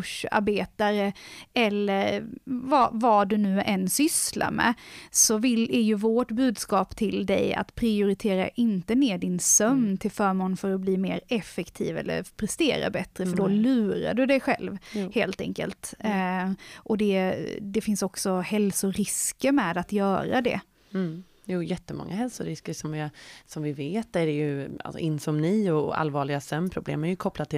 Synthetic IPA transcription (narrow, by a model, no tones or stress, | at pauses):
ʂa̰ɾbeːt̪aɾəɛlːəɾvavad̪ɵnʉ̟ːʔɛnsʏsla̰mɛ̰sɔvɪlæɾjɵvɔʈbʉ̟ːd̪skɑːpt̪ʰɪld̪ɛ̰ja̰t̪pʰɾɪʊɾɪt̪ʰeːɾa̰ʔɪnt̪əneːɖɪnsœmnt̪ʰɪlfœːɾmoːnfœɾɔtbliːmeːɾɛfɛkt̪ʰḭːvɛ̰lːə̰ɾpʰɾɛst̪eːɾa̰bɛt̪ɾəfœɖɔlʉ̟ːɾa̰ɖɵd̪ɛɧɛ̰lvheːlt̪ɛ̰ŋkə̰lt̪ | ʔɔd̪ɛd̪ɛfɪnsɔksɔhɛlsʊɾɪskəɾmɛːd̪at̪jœːɾa̰d̪ɛ̰ | juːjɛt̪ːəmɔ̰ŋːaɦɛlsʊɾɪskəɾʂɔmvɪsɔmvɪveːt̪æɖɛjɵa̰lsɔ̰ʔɪnsɔmnɪːɔa̰lvɑːɭɪɡasœmːpʰɾʊblḛːmæɾjɵkʰɔpːlat̪ʰːɪ